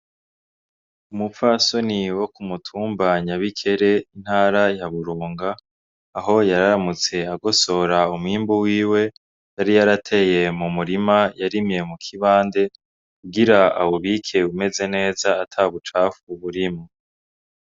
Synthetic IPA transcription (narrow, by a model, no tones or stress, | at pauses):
umufaso̞niwo̞kumutʰuːmbaɲaβikʰe̞ɾe̞in̥haːɾajaβuɾuːŋɡaː | ɦo̞jaɾaɾamut͡se̞aɡo̞so̞ɾaumwiːmbuwiːwe̞ | jaɾijaɾatʰe̞je̞mumuɾimajaɾimje̞mukʰiβaːnde̞ | kuɡiɾaa̰woβikʰe̞ume̞ze̞ne̞ːzaːtʰaβut͡ʃafuβuɾimo